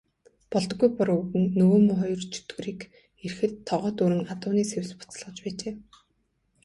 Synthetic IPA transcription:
pɔɮt̪ɞ̆ɡujpɔɾɵɣɘ̆ŋnɵɣoːmʊχɔjɞ̆rt͡ɕʰɵ̥t̪ɡɵ̆ɾiːk | er̆xɘ̆t̪ʰːɔʁœːt̪uɾɘ̆ŋat̪ʊːniːsewʲspʊ̥t͡sɮʁə̆t͡ɕpæːt͡ɕeː

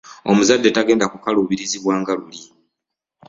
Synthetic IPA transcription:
o̞̰muzadːe̞taɡe̞ːndakukaluːβiɾiziβwaːŋɡaluli

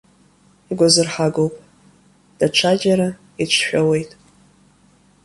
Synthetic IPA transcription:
iɡʷazɨrħaɡowpʼ | d̥aʈ͡ʂʷʰad͡ʒaɾa | it͡ʃʷʰħʷᶣawe̞jtʼ

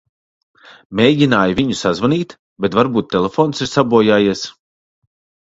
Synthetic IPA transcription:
mʲeːjɟinaːjvʲiɲusazvaniːt̪ | bet̪vaɾbuːt̪ːelˠefoːnsiɾsabuɔjaːjiɛs

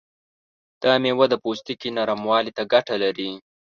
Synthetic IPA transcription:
d̪̥ɑmewad̪əpost̪ikinaɾamwɑlit̪aɡaʈalaɾi

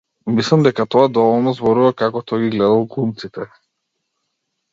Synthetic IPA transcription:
mislˠamd̪ɛkat̪ɔad̪ɔvɔlˠnɔzbɔɾuvakakɔt̪ɔjɡiɡlɛd̪alˠɡlˠumt̪sit̪ɛ

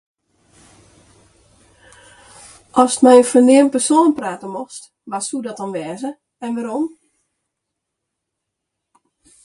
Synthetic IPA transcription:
ʔɔstmɛjəfənɪənpərsoːnpraːtəmoxst | ʋasudɔtɔnʋɛːzə | ɛnʋaɾom

